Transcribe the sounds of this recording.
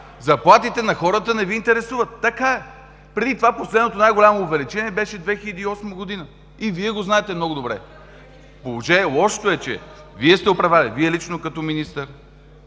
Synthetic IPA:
zɐplˠat̪it̪ɛnɐxɔɾət̪ənɛviːnt̪ɛɾɛsuvət̪ːɐkaɛ | pɾɛd̪it̪ovaposlɛd̪not̪onajɡoʊlʲamoːvɛlit͡ʃɛniɛbɛʃɛd̪vɛxilʲɛd̪iːɔsməɡod̪inə | iviɛɡoznaɛt̪ɛmnɔɡʊd̪obɾɛ̰ | polˠoʒɛnɛlˠɔʃt̪oɛt͡ʃɛ̰ | viɛst̪ɛopɾɐvalḭviɛlit͡ʃnokɐt̪ɔminist̪əɾ

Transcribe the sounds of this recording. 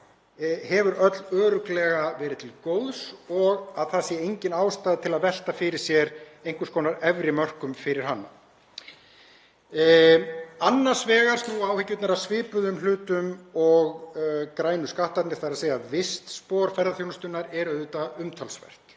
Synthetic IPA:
hɛvʏɾœt̪lœːɾʏklɛɣavɛːɾɪðt̪ʰɪlkoːwðsɔɣaðθasjɛejɲcɪnaːwst̪aːðt̪ʰɪlaðvɛl̥t̪afɪɾɪ̥sjɛɾejŋ̥kʏskoːwnaɾɛvɾɪmœr̥kʏmfɪɾɪɾ̥ɦanːa̰ | anːaɾ̥svɛːɣaɾ̥snuaːwhɪcːʏt̪naɾaðsvɪːpʏðʏmlʏːt̪ʏmɔɣkɾaːjnʏskaht̪at̪nɪθaɾaðseːjaðvɪst̪spɔːɾ̥fɛɾðaθjownast̪ʏnːaɾɛɾœðʏt̪aʏmt̪ʰalsvɛ̰r̥t̪

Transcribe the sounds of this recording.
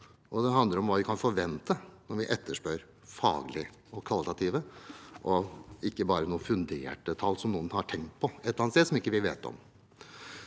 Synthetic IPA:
ʔɔd̪ɛɦɑnd̪əɾɔmʋɑːʋɪkʰɑnfɔɾʋɛnt̪ənɔɾʋɪʔɛt̪ːəʂpøːɾ | fɑ̰ːɡlɪ | ɔkʰʋɑlɪt̪ɑt̪ʰiːʋəʔɔɪkːəbɑːɾənuːfʉnd̪ḛːʈət̪ʰɑlːsɔmnuːənhɑʈʰɛŋkt̪̚pʰɔɛt̪ːɑnseːsɔmɪkːəʋɪʋḛːt̪ɔ̰m

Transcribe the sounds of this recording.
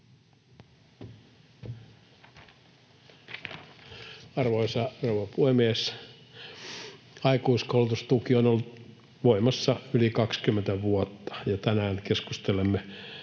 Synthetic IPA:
ɑrʋoisɑrouʋɑpuhemieːs | ɑikuiskoulut̪ust̪ukionolːut̪ | ʋoimɑsːɑylikɑkskymːent̪æʋuot̪ːɑ̥jɑt̪ænæːnkeskust̪elemːe

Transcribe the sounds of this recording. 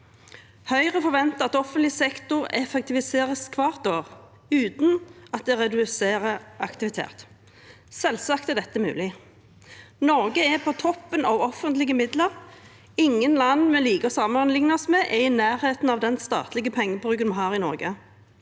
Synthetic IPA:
hœʏʁəfɔʁʋɛnt̪əɑt̪ɔfənt̪lɪsɛkt̪ʊʁɛ̰fɛk̚t̪ɪʋɪseːʁəskʰʋɑːʁt̪oːʁ | ʉːt̪nɑt̪̚d̪ɛʁɛd̪ʉseːʁəɑkt̪ɪʋɪt̪ʰḛːʁt̪ | sɛlsɑkt̪ɛd̪ɛt̪ːəmʉ̰ːlɪ | nɔʁɡəɛpʰɔt̪ʰɔpːənɑʋɔfənt̪lɪɡəmɪd̪ləʁ | ɪŋːənlɑnːmɛliːkɔsɑməʁənlɪŋnəɔsmɛːʔɛɪnæːɾheːt̪n̩ɑʋd̪ɛnst̪ɑ̰ːt̪lɪɡəpʰɛŋːəbʁʉːkənmɑnɦɑːʁɪnɔ̰ʁɡə

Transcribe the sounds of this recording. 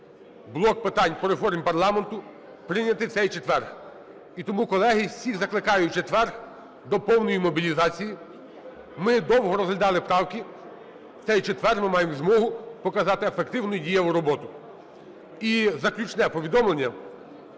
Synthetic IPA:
blˠɔk̚pɪt̪ɑnʲpɔɾefɔrmʲpɐrlˠɑment̪ʊ | pɾɪnʲɐt̪ɪwt͡s̪sɛjt͡ʃet̪ʋɛrx | it̪ɔmukɔlˠɛɦɪsʲiɣzɐklˠɪkɑjʊt͡ʃet̪ʋɛrx | d̪ɔpɔwnɔjimɔbʲilʲizɑt͡sʲiji | mɪd̪ɔwɦɔɾɔzɦlʲɐd̪ɑlˠɪpɾɑwkɪ̥ | t͡s̪ɛjt͡ʃet̪ʋɛrmɪmɑjemzmɔɦʊpɔkɐzɑt̪ɪefekt̪ɪwnʊjdʲijɐʊɾɔbɔt̪ʊ | izɐklʲut͡ʃnɛpɔʋʲid̪ɔmlˠenʲːɐ

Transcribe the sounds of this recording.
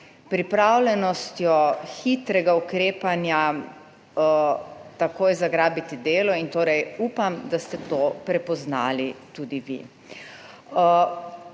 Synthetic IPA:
pɾipɾawlʲɛnɔst̪jɔxit̪ɾɛɡaukɾeːpanja | t̪akoːjzaɡɾaːbit̪id̪eːlɔint̪oːɾɛjupamd̪ast̪ɛt̪oːpɾɛpɔznaːlit̪ud̪iʋḭ

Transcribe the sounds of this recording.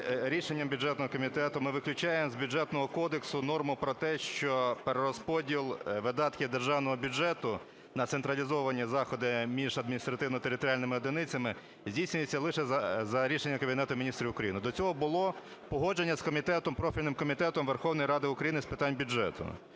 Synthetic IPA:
ɾʲiʃenʲːɐmbʲjʊd͡ʒɛt̪nɔɦɔkɔmʲit̪ɛt̪ʊmɪʋɪklʲʊt͡ʃɑjemzbʲʊd͡ʒɛt̪nɔɦɔkɔd̪eksʊnɔrmʊpɾɔt̪ɛʃt͡ʃɔpeɾeɾɔspɔdʲilˠʋɪd̪ɑt̪kʲɪd̪erʒɑwnɔɦɔbʲʊd͡ʒɛt̪ʊ | nɐt̪sent̪ɾɐlʲizɔʋɐnʲːizɑxɔd̪ɪmʲiʒɐd̪̚mʲinʲist̪ɾɐt̪ɪwnɔt̪eɾɪt̪ɔɾʲalʲnɪmɪɔd̪enɪt͡sʲɐmɪ | zʲdʲijsʲnʲʊjet͡sʲːɐlˠɪʃɛzɐɾʲiʃenʲːɐkɐbʲinɛt̪ʊmʲinʲist̪ɾʲiʊkɾɐjinɪd̪ɔt͡sʲɔɦɔbʊlˠɔ | pɔɦɔd͡ʒenʲːɐskɔmʲit̪ɛt̪ɔmpɾɔfʲilʲnɪmkɔmʲit̪ɛt̪ɔmʋerxɔwnɔjiɾɑd̪ɪʊkɾɐjinɪspɪt̪ɑnʲbʲʊd͡ʒɛ̰t̪ʊ̰

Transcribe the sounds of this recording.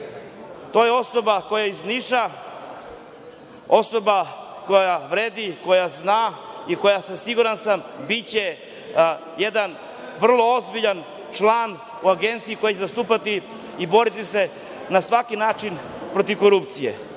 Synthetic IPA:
t̪o̞jeo̞so̞bako̞jaizniʃa | o̞so̞ba | ko̞jaʋɾeːd̪iko̞jaznaiko̞jasasiɡuɾansambit͡ɕe | je̞d̪an | ʋr̩lˠo̞ozbiʎan | t͡ʃlan | uaɡe̞nt̪sijikojat͡ɕezast̪uːpat̪i | ibo̞ɾit̪ise̞ | nasʋakinaːt͡ʃin | pɾo̞t̪iʋko̞ɾupt̪sijḛ

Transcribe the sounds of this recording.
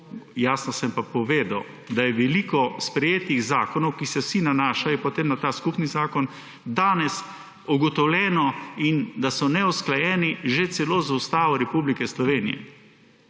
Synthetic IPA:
jaːsnɔsɛmpapɔʋeːd̪a̰w | d̪ajɛʋɛliːkɔspɾɛjeːt̪iɣzaːkɔnɔwkisɛwsinanaːʃajɛpɔt̪eːmnat̪aːskupnizaːkɔn | d̪aːnɛs | uɡɔt̪ɔwlʲɛːnɔind̪asɔnɛusklajɛːniʒet̪sɛlozaust̪aːʋɔɾɛpublikɛslɔʋeːnijɛ̰

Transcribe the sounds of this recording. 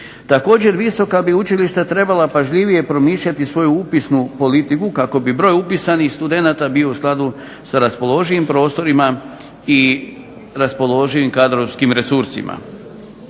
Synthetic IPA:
t̪ako̞ːd͡ʑe̞ɾʋiso̞kabiut͡ʃiliʃt̪at̪ɾe̞balapaʒʎiʋije̞pɾo̞miːʃʎat̪isʋo̞juupisnupo̞lit̪ikukako̞bibɾo̞ːjupisanixst̪ud̪e̞naːt̪abio̞usklˠad̪u | saɾaspo̞lˠo̞ʒiʋimpɾo̞ːst̪o̞ɾima | i | ɾaspo̞lˠo̞ʒiʋimkad̪ɾoʋskimɾe̞suɾsḭmʔa̰

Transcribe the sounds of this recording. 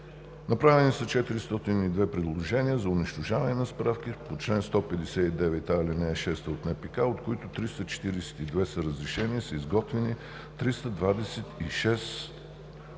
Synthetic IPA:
nɐpɾavɛnisət͡ʃɛt̪iɾist̪ɔt̪inid̪vɛpɾɛd̪lˠoʒɛniəzɐʊniʃt̪oʒavɐnɛnɐspɾafk̟ipot͡ʃlɛnst̪ɔpɛd̪ɛsɛid̪ɛvɛt̪ailinɛɛʃɛst̪əot̪nɛpikaot̪koit̪ot̪ɾist̪ət͡ʃɛ̥t̪iɾɛsɛ̥t̪id̪vɛsəɾəzɾɛʃɛnisɐizɡɔt̪vɛni | t̪ɾist̪əd̪vad̪ɛsɛt̪iʃɛs

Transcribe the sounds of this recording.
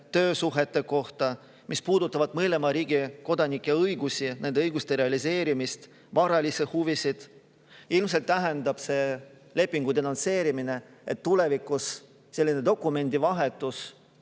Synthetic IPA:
t̪ø̞ːsuɦe̞t̪ːˑe̞ko̞ht̪ɑ | mʔispuːd̪̥ut̪ːˑɑvɑd̪̥mɤle̞mɑɾiːɡ̥iko̞d̪ɑnikːˑeɤjɡusʲinend̪eɯjɡ̥ust̪eɾe̞ɑlise̞ːɾimist̪ | vɑɾɑlisehuvisid̪̥ | ilms̬elt̪ːæɦend̪ɑb̥se̞ː | le̞pːˑiŋɡ̥ud̪e̞nonse̞ːɾimine̞et̪ːule̞vikːˑus | se̞lːine̞d̪o̞kːˑume̞nʲd̪̥ivɑɦe̞t̪ːˑus

